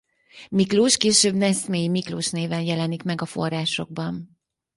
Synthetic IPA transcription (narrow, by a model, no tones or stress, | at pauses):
mikloːʃkeːʃøːbnɛsmeːjimikloːʃneːvɛnjɛlɛnikmɛɡɒfo̞̰rːaːʃo̞̰ɡ̚bɒn